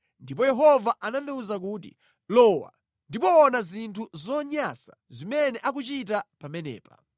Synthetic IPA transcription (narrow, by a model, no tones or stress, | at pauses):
ndipɔjɛɦɔvaʔanandɛuzak̬uːt̬ḭ | lɔwa̰ | ndipɔːnazintʰuzɔɲasḁ | zimɛnɛʔak̬ut͡ʃit̬apamɛnɛ̰ːpa̰